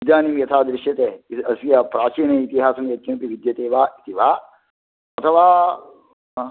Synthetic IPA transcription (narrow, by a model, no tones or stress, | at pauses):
id̪jaːnimjɐt̪ʰaːd̪ɾɪʃjɐt̪eɐsijɐpɾaːt͡ʃiːnɐit̪iɦaːsɐmjɐt̪̚t͡ʃɐnpiʋid̪jɐt̪eːʋaːit̪iʋaː | ɐt̪ʰɐʋaː